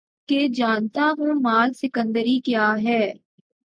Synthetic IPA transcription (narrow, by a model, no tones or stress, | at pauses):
ked͡ʒaːnt̪aɦõmaːlsɪkə̃nd̪əɾikjaːɦɛː